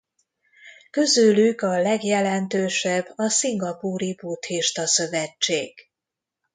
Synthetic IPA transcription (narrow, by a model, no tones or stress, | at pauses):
køzylykɒlɛɡjɛlɛnt̪øːʃɛbːɒsiŋɡɒpuːɾibut̪hiʃt̪ɒsøvɛt͡ʃːḛːɡ̥